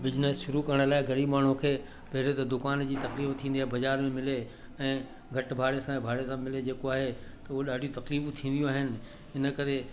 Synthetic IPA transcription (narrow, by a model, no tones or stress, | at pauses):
bɪznəsʃʊɾukɐɾəɽ̃laːɪɡɐɾiːbmaːɳ̤ũkʰeː | pɛɦɪɾet̪ɐd̪ʊkaːnd͡ʑiːt̪ɐkliːbt̪ʰĩːnd̪iaːɦebɐd͡ʑaːɾmẽmɪle | ɛ̃ː | ɡʱɐʈbʱaːɽesãbʱaːɽesãmɪled͡ʑeːkoaːɦet̪ɐuɦoɗaːɖʱijũt̪ɐqliːbt̪ʰĩːnd̪jũaːɦɪnɪ̆ | ɪnə̆kɐɾe